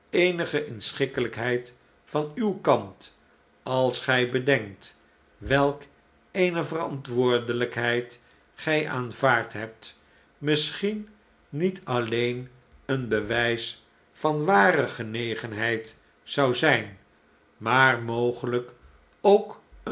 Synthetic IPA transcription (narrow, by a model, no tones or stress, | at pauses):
ejnəχəʔɪnsχɪkələkɦɛjt | fɑnywkɑnt | ɑlˠsχɛjbədɛŋk̚t | ʋɛlˠk | ejnəvərɑntʋʊːɹdələkɦɛjt | χɛjʔaːnvaːɹtɦɛp̚t | mɪsχinː | itʰɑlejn | ənbəʋɛjs | fɑnʋaːrəχənejχənɦɛjt | sɑwzɛjn | maːrmowχələk | owk | ə